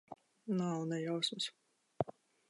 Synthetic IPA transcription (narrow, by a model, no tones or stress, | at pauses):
nawnɛjawsmɨs